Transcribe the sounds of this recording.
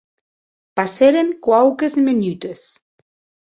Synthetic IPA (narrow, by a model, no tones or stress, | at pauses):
paseɾeŋkwawkezmenyt̪es